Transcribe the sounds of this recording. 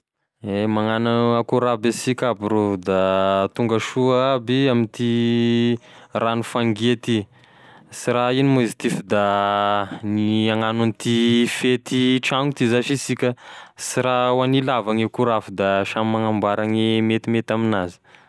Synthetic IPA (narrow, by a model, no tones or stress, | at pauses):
emaŋanaakuɾabesikʲabiɾod̪at̪uŋɡəʃuabiamint̪i | ranufaŋɡiat̪i | siɾainimozit̪ifd̪a | niaŋananit̪ifet̪iʈ͡ʂaŋut̪izaʃisikʲəsiɾawanilavaŋekuɾafud̪aʃamaŋambaɾaŋimet̪imet̪aminazi̥